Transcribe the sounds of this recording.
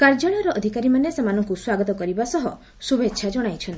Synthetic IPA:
kaɾd͡ʒɔɭ̃ɔɾɔʔɔd̪ʱikaɾimanesemanɔŋkuswaɡɔt̪ɔkɔɾibasɔɦɔ | subetːʃʰad͡ʒɔɽ̃ajt͡ʃʰɔnt̪i

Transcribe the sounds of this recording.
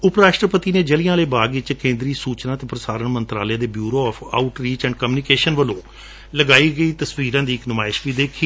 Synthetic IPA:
ʊpɾaːʃʈɾəpət̪iːneːd͡ʒəlijãːləːbaːɡɪt͡ʃkẽːnd̪ɾiːsuːt͡ʃnãːt̪eːpɾəsaːɾəɳmənt̪ɾa̰ːljaːd̪eːbjuːɾoːɔːpʰa̰ːʊʈɾiːt͡ʃɛ̃ːɳɖkəmjuːnɪkeːʃənʋəlõː | ləɡaːiːɡəiːt̪əsʋiːɾãːd̪iːɪknʊmaːɪʃʋiːd̪eːkʰiː

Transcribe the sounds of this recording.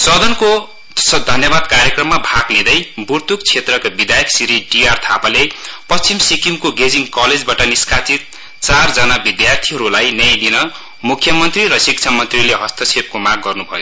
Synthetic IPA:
sʌd̪ʌnko | sʌd̪ʱʌnjʌbad̪kaɾjʌkrʌmːabʱaɡnid̪ʌjburt̪ukt͡sʰet̪rʌkabid̪ajksiɾiɖiart̪ʰapalepʌst͡simsikimkoɡed͡ziŋkʌled͡zbaʈʌniskat͡sit̪̚ | t͡sard͡zʌnabid̪jart̪ʰiɦʌɾulajnʌad̪inʌ | mukʰjʌmʌnt̪riɾʌsikt͡sʰamʌnt̪rileɦʌst̪ʌt͡sʰep̚komaɡ̚ɡʌrnubʱʌjo

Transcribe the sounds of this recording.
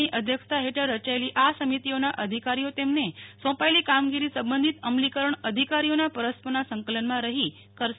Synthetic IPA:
iʔəd̪ʱjəkʰt̪ʰaɦeʈəɾːət͡ʃaeliʔasəmit̪ionaʔəd̪ʱikaɾijot̪emnesɔ̃paelikamɡiɾisəmbənd̪ʱit̪əmlikəɾəɳəd̪ʱikaɾijonapəɾəspənasəŋkələnmãɾəɦi | kəɾ

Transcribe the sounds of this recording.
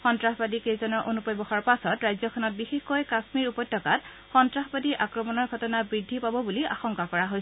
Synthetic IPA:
xɔntɹaxbadikejzɔnɔɹʔonupɔjbɔxaɹpasɔtɹajzɔkʰɔnɔt̚bixexkɔjkasmiɹupɔjtːɔkat | xɔntɹaxbadiɹʔakɹɔmɔnɔɹɡʱɔtɔnabɹidʱːipabɔbulia̰xɔŋkakɔɹaɦoj

